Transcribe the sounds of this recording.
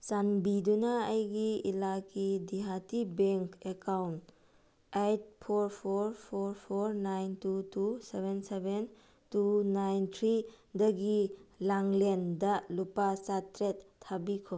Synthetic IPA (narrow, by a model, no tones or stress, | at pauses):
sanbidunɐːjɡiḭlakidiɦatibeŋkekawnt | ejt̚pʰoɾpʰoɾpʰoɾpʰoɾnajntutusebenseben | tunajnt̪ʰɾidɐɡilaŋlendɐlupasatɾetʰːabikʰo